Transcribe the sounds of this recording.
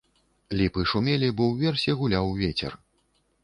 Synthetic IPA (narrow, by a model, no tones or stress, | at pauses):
lʲipɨʂumʲelʲibɔwvʲɛrsʲɛɣulʲawvʲet͡sʲɛ̰r